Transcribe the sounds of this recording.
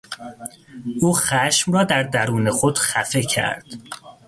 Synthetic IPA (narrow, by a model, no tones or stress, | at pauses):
ʔuːxæʃmrɒːd̪æɾd̪æɾuːne̞xo̞d̪̥xæfe̞cʰæ̰ɾd̪̥